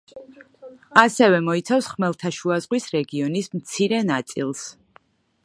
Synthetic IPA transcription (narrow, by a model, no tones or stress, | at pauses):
asɛvɛmɔit̪sʰafsχmɛlˠt̪ʰaʃuazʁwisɾɛɡiɔnismt̪sʰiɾɛnat̪sʼilˠs